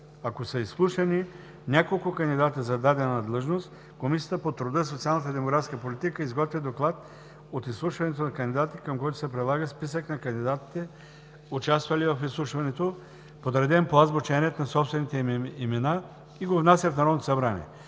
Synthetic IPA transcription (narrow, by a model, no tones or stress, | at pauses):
akosəislˠuʃɐni | nʲakolˠkʊkɐnd̪id̪at̪əzɐd̪ad̪ɛnanɐd̪lˠəʒnost̪ | komisijət̪əpot̪ɾud̪əs̬ot̪sialˠnət̪əd̪ɛmoɡɾat̪skəpolit̪ikəizɡɔt̪vʲid̪oklˠat̪ | ot̪islˠuʃvɐnɛt̪onɐkɐnd̪id̪at̪ikɐmkɔjt̪ʊ̥sɛpɾɛd̪lˠaɡəspisəknɐkɐnd̪id̪at̪i̥t̪ɛ | ʊt͡ʃast̪vɐlivɐfislˠuʃvɐnɛt̪o | pod̪ɾɛd̪ɛmpoazbot͡ʃɛnʲiɛt̪nɐsɔpst̪vɛnit̪ɛimɛna | iɡovnasʲəfnaɾɔd̪nt̪osɐbɾanʲḭɛ̰